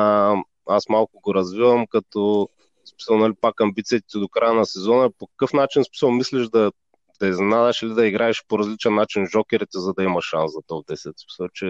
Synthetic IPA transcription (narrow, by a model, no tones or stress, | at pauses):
asmalˠkʊɡoɾɐzvivɐmkɐt̪ɔ | smi̥səlˠnɐlipakɐmbit̪sijɐt̪ɛ̥t̪id̪okɾajənɐsɛzɔnɐpokɐ̥kɤfnat͡ʃinsmi̥səlˠmislɛʒd̪ɐ | d̪̥ɐɛznɛnad̪ɛʃilid̪ɐiɡɾaɛʃpoɾɐzlit͡ʃɛnːat͡ʃinʒɔkʲɛɾit̪ɛzɐd̪ɐimɐʃːanszɐt̪ɔɡ̚d̪ɛsɛt̪smi̥səlˠt͡ʃɛ